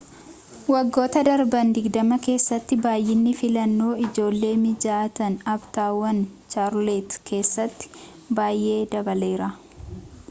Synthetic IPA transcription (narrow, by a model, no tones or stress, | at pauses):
wɐɡːo̞ːt̪ɐd̪ɐɾbɐnd̪ɪɡd̪ɐmɐke̞ːsːɐt̪ːɪbaːjʔːɪnːɪfɪlɐnːo̞ːɪd͡ʒo̞ːlːe̞ːmɪd͡ʒaːt̪ɐnɐbt̪aːwːɐnt͡ʃaːɾlet̪kʰe̞ːsːɐt̪ːɪ̥ | baːjʔe̞ːd̪ɐbɐle̞ːɾɐ